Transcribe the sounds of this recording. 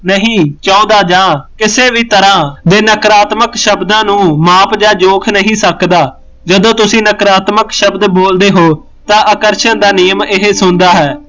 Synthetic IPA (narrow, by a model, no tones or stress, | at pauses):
nəɦĩːt͡ʃãːõːd̪aːd͡ʒãːkɪseːʋiːt̪əɾãːd̪eːnəkɾaːt̪məkʃəbd̪ãːnũːmaːpd͡ʒãːd͡ʒoːkʰnəɦĩːsəkd̪aː | d͡ʒəd̪õːt̪ʊsĩːnəkɾaːt̪məkʃəbd̪boːld̪eːɦoː | t̪ãːʔəkəɾʃənd̪aːnɪjəmɪɦeːsʊnd̪aːɦɛː